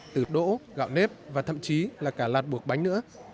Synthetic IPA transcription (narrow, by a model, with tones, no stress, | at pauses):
t̪ɨ˧˩ɗo̰˧˥ɣa̰ː˧˨wne˦˥p̚vaː˨˩t̪ʰə̰˧˨mt͡ɕi˨˦laː˨˩kaː˧˩laː˨˩t̚ɓu˨˩ək̚ɓa˨˦ŋ̟nɨ̰˧˥ə